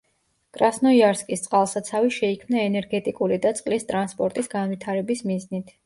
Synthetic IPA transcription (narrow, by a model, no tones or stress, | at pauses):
kʼɾasnɔiaɾskʼist̪sʼqʼalˠsat̪sʰaviʃɛikʰmnaɛnɛɾɡɛt̪ʼikʼulid̪at̪sʼqʼlist̪ʼɾanspʼɔɾt̪ʼisɡanvit̪ʰaɾɛbismiznit̪ʰ